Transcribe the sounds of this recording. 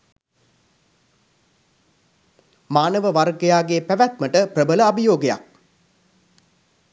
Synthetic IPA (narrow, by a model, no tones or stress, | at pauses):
maːnəʋəʋarɡejaːɡeːpæʋæt̪məʈəprəbələabijoːɡeja̰k̚